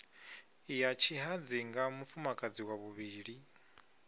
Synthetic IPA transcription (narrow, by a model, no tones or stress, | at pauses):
jat͡ʃʰiɦad͡ziŋɡamufumakʼad͡ziwaβuβiːɺi